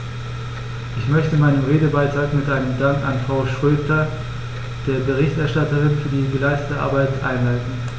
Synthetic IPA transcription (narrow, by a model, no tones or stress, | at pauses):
ʔɪçmœçtəmaɪnəmʁeːdəbaɪtʁ̥aːkmɪtʔaɪnəmdaŋka̰nfʁ̥aʊʃʁ̥øːtʰɐ | d̥eːɐbəʁ̞ɪçtɛɐʃtatəʁɪnfyːɐdiːɡəlaɪstətəʔa̰ɐbaɪtʔa̰ɪnlaɪtn̩